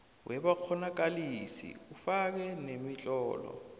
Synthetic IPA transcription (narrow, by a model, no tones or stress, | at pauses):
wʔɛbak͡xʰɔnak̬ʼalisḭufak̬ɛnemit͡ɬʼɔːlɔ̰